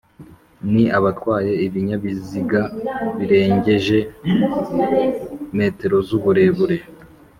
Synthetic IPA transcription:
niʔaβatwaːje̞iβiɲaβiziɡaβiɾe̞ːɲɟe̞ʒe̞ | me̞ːte̞ɾo̞zuβuɾe̞βuɾe̞

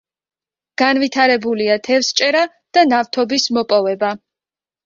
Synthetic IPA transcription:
ɡ̥anvit̪ʰaɾɛbuliat̪ʰɛfst͡ʃʼɛɾa | d̪̥anaft̪ʰɔbismɔpʼɔvɛba

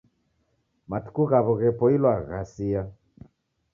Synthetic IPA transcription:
matu̥kuɣaβɔɣɛpɔilwaɣasia

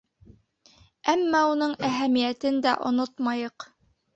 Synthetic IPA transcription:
æmːæunɤɴæɦæmijæt̪ɘnd̪æʔŏ̰not̪mɑjɤq

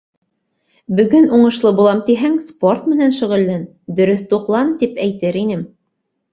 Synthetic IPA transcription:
bɵ̆ɡɵnuɴɤ̆ʃlˠɤbulˠɑmt̪iɦæŋsport̪mɘ̆nænʃɵ̆ʁɵ̆lːæn | d̪ɵ̆ɾɵθt̪uqlˠɑnt̪ipæjt̪ɘɾinɘm

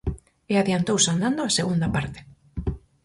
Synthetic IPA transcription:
eaðjant̪owsand̪and̪oaseɣund̪apaɾt̪ɪ̥

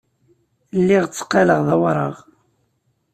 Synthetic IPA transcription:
lːiʁt͡sːə̥qːɑləʁðæwɾˤə̰ʁ

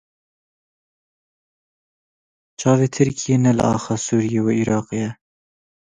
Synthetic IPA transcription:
t͡ʃʰɑːveːt̪ʰɨɾkʰijeːnɛl̰ʔɑ̰ːxɑːsuːɾijeweʔiːɾɑːqejɛ

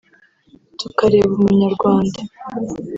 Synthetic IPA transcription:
tukaɾeβuumuɲaɾɡwaːnda

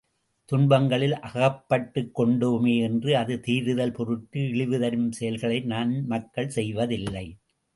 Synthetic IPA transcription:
t̪ʊɳbɐŋɡɐɭɪlʔɐɣɐpːɐʈːɯkːɔɳɖɯmeːɛndrɯɐðɯt̪iːɾɯðɐlpɔɾɯʈ̚kɯɪɭɪʋɯðɐɾɯmsɛjɐlɣɐɭɐɪnaːnmɐkːɐɭsɛjʋɐðɪlːɐɪ

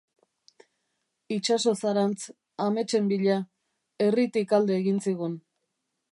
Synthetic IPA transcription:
it͡ʃaso̞saɾant͡s | ame̞t͡ʃe̞mbiʎa | e̞rit̪ikald̪e̞ːɣinsiɣ̞un

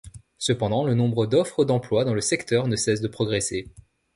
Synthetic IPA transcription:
səpɑ̃d̪ɑ̃lənɔ̃bʁəd̪ɔfχəd̪ɑ̃plwad̪ɑ̃ləsɛkt̪œʁnəsɛsd̪əpχɔɡʁese

